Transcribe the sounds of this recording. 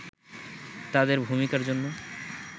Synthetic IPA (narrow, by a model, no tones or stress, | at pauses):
t̪ad̪eɾbʱumikaɾd͡ʑonːo